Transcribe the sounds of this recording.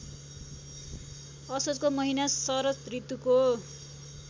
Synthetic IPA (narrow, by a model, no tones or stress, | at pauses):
ʌsod͡zkomʌɦinasʌɾʌt̪rit̪ːuko